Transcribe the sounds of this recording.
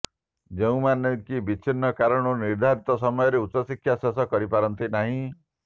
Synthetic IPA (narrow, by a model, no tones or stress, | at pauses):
d͡ʒeũmanɔŋkibit͡ʃʰinːɔkaɾɔɽ̃ɔniɾd̪ʱaɾit̪ɔsɔmɔjɔɾeutːɔsikʰjasɔsɔkɔɾipaɾɔnt̪inaɦĩ